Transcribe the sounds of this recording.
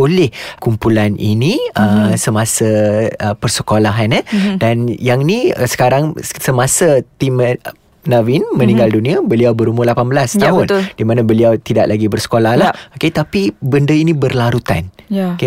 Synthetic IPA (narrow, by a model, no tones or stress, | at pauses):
olɛhkumpulanʔḭnĩʔəsəmãsaəpərsəkolaɦanədanjaŋniə̰sə̥kaɾaŋsəmasat̪imə | nawinmə̃nĩŋɡaldunĩabəliawbəɾuməlapanbəlast̪aɦʊnt̪ld̥imãnãbəliawt̪idaʔlʔaɡibərsə̥kolahlahoket̪apibəndəinĩbərlaɾut̪a̰njke